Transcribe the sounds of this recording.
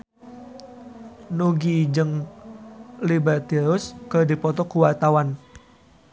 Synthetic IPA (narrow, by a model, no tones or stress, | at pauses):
nuɡid͡ʒɨŋ | libɛrt̪iɾʊskərdipɔt̪ɔkuwart̪awan